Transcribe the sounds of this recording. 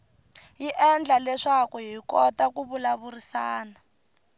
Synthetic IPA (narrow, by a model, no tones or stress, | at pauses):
jiʔɛnd͡ɮalɛʂakuɦikɔtakuβulaβurisaːna